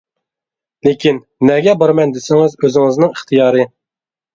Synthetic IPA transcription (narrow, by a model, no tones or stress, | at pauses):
lekʲinːɛɡʲɛbɑɾmɛnd̪esɪŋɪzøzɪŋɨznɪŋiχt̪ʰɨjɑːɾɨ